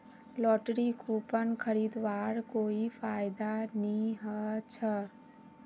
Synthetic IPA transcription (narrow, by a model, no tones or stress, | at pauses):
lɔːʈɾikʰuːpənkʰəɾiːd̪ʋaːɽkoːipʰaːɪd̪anĩɦət͡ʃʰə